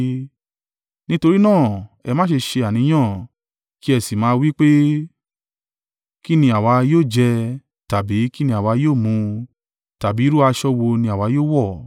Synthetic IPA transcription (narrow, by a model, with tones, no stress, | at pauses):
nĩ˦to˧ɾi˦nãː˦˨ɛ˧mãː˦ʃe˧ʃe˧a˨nĩ˨˦j̃ã˦˨ | ki˦ɛ˧si˨mãː˨˦˧wi˦k͡pe˦ | ki˦nĩ˧a˨wa˨˧joː˦˨d͡ʒɛ˧ | ta˨bi˨˦ki˦nĩ˧˦a˨wa˧joː˦˨mũ˧ | ta˨bi˨˦ɾu˦a˧ʃɔ˦wo˧nĩ˧a˨wa˧˦joː˦˨wɔ˦˨